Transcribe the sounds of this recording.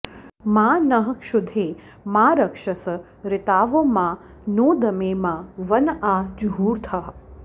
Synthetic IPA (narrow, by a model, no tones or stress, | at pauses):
mãːnəɦəʃʊd̪ʱeː | mãːɾəkʂəs | ɾɪt̪aːʋomã | noːd̪ɐmeːmãʋənad͡ʒɦuːɾt̪ʰɐɦ